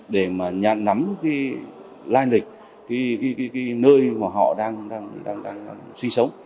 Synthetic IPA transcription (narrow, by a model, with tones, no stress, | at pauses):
ɗe˧˩maː˨˩ɲa̰ː˧˨nna˨˦mkaː˨˦ | laː˧jnlï˨˩k̟̚ | kaː˨˦jka˨˦jkːjkaː˨˦jnəː˧jmaː˨˩ɦɔ̰˧˨ɗaː˧ŋɗaː˧ŋɗa̰ː˧ŋɗaː˧ŋː˧ŋswï˧ŋsə˨˦wŋ͡m